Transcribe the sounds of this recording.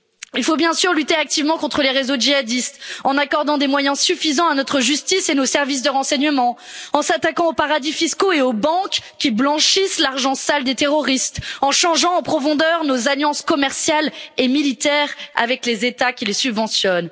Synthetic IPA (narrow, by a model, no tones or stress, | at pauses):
ilfobjɛ̃syʁlyt̪eak̚t̪ivmɑ̃kɔ̃t̪χəleʁezoʒiad̪ist̪ɑ̃nakɔʁd̪ɑ̃d̪emwajɛ̃syfizɑ̃anɔt̪χəʒyst̪isenosɛʁvis̬d̪əʁɑ̃sɛɲəmɑ̃ɑ̃sat̪akɑ̃opaʁad̪ifiskoeobɑ̃kkʲːiblɑ̃ʃislaʁʒɑ̃sald̪et̪eʁɔʁist̪ɑ̃ʃɑ̃ʒɑ̃ːpχɔfɔ̃d̪œʁnozaljɑ̃skɔmɛʁsjalemilit̪ɛʁa̰vɛklezet̪akʲilesybvɑ̃sjɔn